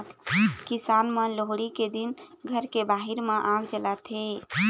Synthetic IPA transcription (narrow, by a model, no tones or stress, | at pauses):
t̪ʰkisanməloɦɽiked̪inɡʱəɾkebaɦiɾmẽʔãɡd͡ʒəlat̪ʰe